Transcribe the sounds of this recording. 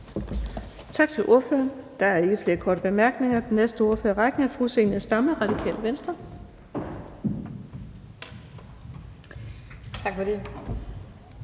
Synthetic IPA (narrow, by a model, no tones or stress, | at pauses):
t͡sʰɑ̈ɡ̥t͡sʰe̝lʔo̝ɐ̰fø̰ɐnd̥ɑ̈æɐe̝ɡ̥əfle̝ːɐkʰɒːɾ̥əb̥e̝mæɐɡ̥ne̝ŋɐd̥enːesd̥əo̝ɐføːɐʁɑɡ̥n̩æfʁuseniəsɑ̈məʁɑ̈d̥ikʰɛ̰ːləʋensd̥ʁɐ | t͡sʰɑɡ̥fɒde